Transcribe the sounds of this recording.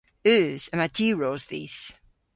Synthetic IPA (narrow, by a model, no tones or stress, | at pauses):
ʉːz̥əmadʰiːɹozðḭːs